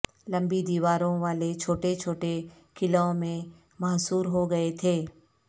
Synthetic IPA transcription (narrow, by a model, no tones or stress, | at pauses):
lɐ̃mbid̪iːʋaːɾõʋaːlet͡ʃʰoːʈet͡ʃʰoːʈe | kɪlõmẽ | mɐɦsuːɾɦoɡɐet̪ʰeː